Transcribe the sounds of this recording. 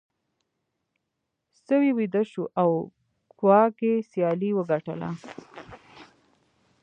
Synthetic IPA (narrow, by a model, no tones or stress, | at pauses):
səwiwid̪əʃuʔaw | kwɑkesjɑliwəɡaʈə̰la̰